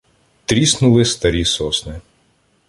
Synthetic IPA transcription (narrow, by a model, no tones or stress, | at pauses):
t̪ɾʲisnʊlˠɪst̪ɐɾʲisɔsnɪ